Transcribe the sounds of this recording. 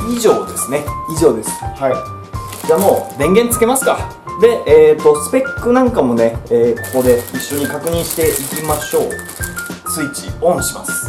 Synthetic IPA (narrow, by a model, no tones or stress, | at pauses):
iʑo̞ːd̪e̞sɨne̞iʑo̞ːd̪e̞sɨ̥hai | d͡ʑaːmo̞ːd̪ẽ̞ŋɡẽ̞nt͡sɨ̥ke̞masɨ̥ka | d̪e̞ʔeːt̪ːo̞sɨ̥pe̞kːɯ̟nãŋkamo̞ne̞eːko̞̥ko̞d̪e̞iɕːo̞ɲ̟ikakɯ̟ɲ̟ĩɰ̃ɕi̥t̪e̞ʔikʲimaɕo̞ː | sɨit͡ɕiõ̞ɰ̃ɕima̰sɨ̥